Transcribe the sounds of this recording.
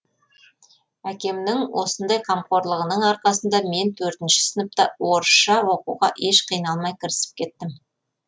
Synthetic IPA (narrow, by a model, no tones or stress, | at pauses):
ækʲe̞mnɪŋwʔo̞sənd̪ɑjqʰɑmqo̞ɾlˠəʁənəɴɑɾqɑsənd̪ɑme̞nt̪ʰɵɾt̪ɪnʃɪ̥sɪnəp̚t̪ɑwo̞ɾʃʃɑwo̞quʁɑ̰ʔe̞ʃqʰijnɑlˠmɑjkʲʰɪɾɪsɪ̥p̚kʲʰe̞t̪ːɪm